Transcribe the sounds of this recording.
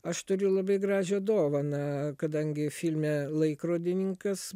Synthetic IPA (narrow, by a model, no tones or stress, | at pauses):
ɐʃt̪ʊɾʲʊlˠɐbɐɪɡrɑːʒʲʊɐd̪oːʋɐnɐkɐd̪ɐŋʲɡʲɪfʲilʲmʲɛlˠɐɪkroːd̪ʲɪnʲɪŋkɐs